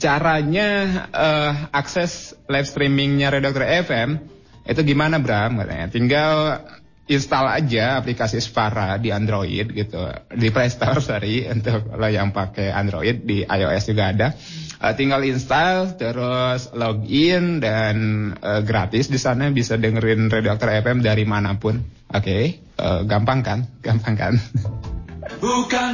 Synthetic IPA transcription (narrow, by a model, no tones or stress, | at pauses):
t͡ʃaɾaɲaʔəaksɛslajfst̪ɾimɪŋɲaɾedak̚t̪ɔrɛfɛm | ḭt̪uɡimanabɾamka̰t̪a̰a̰t̪iŋɡal | inst̪ala̰d͡ʒaːplikasispaɾadiandɾoḭd̚ɡit̪ṵdipɾɛst̪ɔrsaɾiṵnt̪ʊk̚lojaŋpakɛa̰ndɾo̰id̚ːiʔa̰jo̰ʔɛsd͡ʒuɡaːda | ʔə̰t̪iŋɡalinst̪alt̪əɾʊslɔɡɪndanəɡɾat̪ɪsdisanabisadəŋəɾɪnredak̚t̪ɔrɛfɛmdaɾimanapʊn | ʔoke | ə̰ɡampaŋkanɡ̥ampaŋka̰n